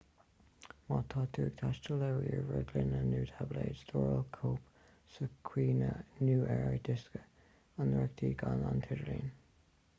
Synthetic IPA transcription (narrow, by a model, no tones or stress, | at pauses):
mɑt̪ʰɑːt̪ʰuɹɡ̥̚t̪ʰaʃtəlɛwɪɹɹəɡlɪnənuːtʰableːdsdɔːɹəlkʰoːp | səkʰwiːnənuːʔɛɹəd̪ɪskə | ənɹɛk̚t̪ʰiːɡana̰ntʰɪɾəlḭːn